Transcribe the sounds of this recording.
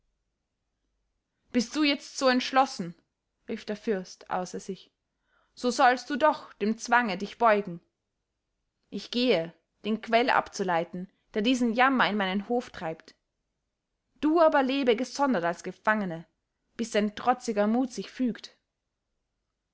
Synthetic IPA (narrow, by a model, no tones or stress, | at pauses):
b̥ɪst̚d̥uːjɛt͡stz̥oːɛntʃlɔsn̩ | ʁiːfd̥eːɐfʏɐstʔa̰ʊsɐzɪç | z̥oːzɔlstd̥uːdɔχd̥eːmt͡sv̥aŋədɪçb̥ɔʏɡŋ̩ | ʔɪçɡ̥eːə | d̥eːnkv̥ɛlʔa̰pt͡sulaɪtn̩ | d̥eːɐdiːzn̩jamɐɪnmaɪnənhoːftʁ̥aɪpt | d̥uːʔaːbɐleːbəɡəzɔndɐtalsɡ̥əfaŋənə | b̥ɪstz̥aɪntʁ̥ɔt͡sɪɡɐmuːtz̥ɪçfyːkt